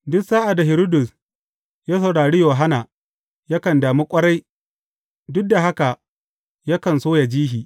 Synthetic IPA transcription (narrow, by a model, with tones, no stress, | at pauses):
dʊ˦ksaː˦ʔa˨da˨ɦɪ˨ɾo˦dʊ˨s | jaː˦sɐ˨wɽaː˨ɽi˦joː˨ɦa˦naː˨ | ja˦kɐ˨ndaː˨mi˦kʷʼɐ˦ɽa˦j | dʊ˦k̚da˨ɦa˦ka˨ | ja˦kɐ˨nsoː˦ja˨d͡ʒiː˦ɦiː˨